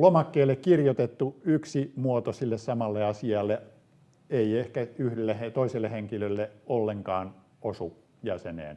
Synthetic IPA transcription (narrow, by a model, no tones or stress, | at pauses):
lomɑkːeːlːekkirjot̪et̪ːuyksimuot̪osilːessɑmɑlːeɑsiɑlːe | eiehkæyhdelːehet̪oiselːeheŋkilølːeolːeŋkɑːn | osu | jæsenḛːn